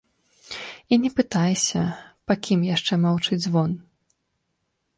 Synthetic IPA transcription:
inʲɛpɨt̪ajsʲɐpakʲimjaʂt͡ʂɛmawt͡ʂɨd͡zʲzvɔn

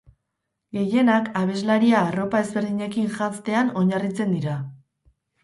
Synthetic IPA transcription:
ɡe̞je̞nakaβe̞zlaɾiaːro̞pae̞zβe̞ɾð̞iɲe̞kinʝant͡st̪e̞ano̞ɲarit͡se̞nd̪iɾa

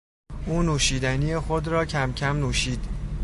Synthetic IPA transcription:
ʔuːnuːʃiːd̪æniːjexod̪ɾɒːcʰæmcʰæmnuːʃiːd̪̥

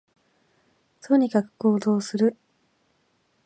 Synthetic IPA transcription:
t̪ʰo̞ɲ̟ikakɯ̟̥ko̞ːd̪o̞ːsɨɾɯ̟

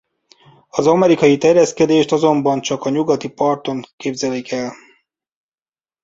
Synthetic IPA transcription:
ɒzɒmɛɾikɒjit̪ɛrjɛskɛd̪eːʃt̪ɒzo̞mbɒnt͡ʃɒkɒɲuɡɒt̪ipɒrt̪o̞ŋkeːbzɛlikʰɛl

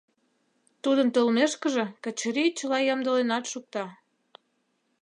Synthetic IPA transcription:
t̪ud̪ənt̪olmeʃkə̆ʒĕkə̆t͡ɕəɾit͡ɕəlɑjɑmd̪əlenɑt̪ʃuk̚t̪ɑ

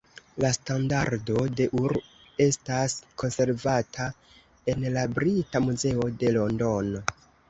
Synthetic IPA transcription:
lastandaɾdo̞de̞ʔuɾ | e̞stasko̞nse̞ɾvatʰa | e̞nlabɾitamuze̞o̞de̞lo̞ndo̞no

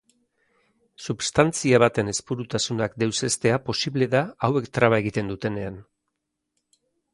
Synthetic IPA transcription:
suβst̪ant͡siaβat̪e̞ne̞spuɾut̪asunakd̪e̞wse̞st̪e̞apo̞siβle̞ðaawe̞kt̪ɾaβae̞ɣ̞it̪e̞nd̪ut̪e̞ne̞an

